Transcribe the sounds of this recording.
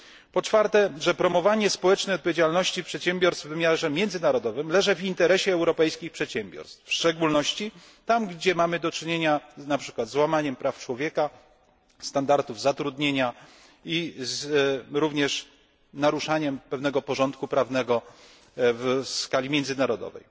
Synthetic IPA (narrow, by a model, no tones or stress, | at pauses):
pɔt͡ʂfaɾt̪ɛʐɛpɾɔmɔvaɲɛspɔwɛt͡ʂnɛjɔt̪̚pɔvʲjed͡ʑalnɔɕt͡ɕifpʂɛt̪ɕɛmbʲjɔɾst̪vːɘmʲjaʐɛmʲjɛnd̪zɘnaɾɔd̪ɔvɘmlɛʐɛvint̪ɛɾɛɕɛːwɾɔpɛjskʲixpʂɛt̪ɕɛmbʲjɔ̰ɾst̪fʂt͡ʂɛɡulnɔɕt͡ɕi | t̪amɡd͡ʑɛmamɘd̪ɔt͡ʂɘɲeɲanapʂɘkwad̪zwamaɲɛmpɾʔaft͡ʂwɔvʲjɛka | st̪and̪aɾt̪uvzat̪ɾud̪ɲeɲa | izɾuvɲɛʂ | naɾuʂaɲɛmpɛvnɛɡɔpɔʐɔnt̪kupɾavnɛɡɔ | vskalʲimʲjɛndzɘnaɾɔd̪ɔ̰vɛ̰j